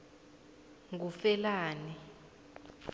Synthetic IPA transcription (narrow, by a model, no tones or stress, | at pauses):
ŋɡufɛlaːnɛ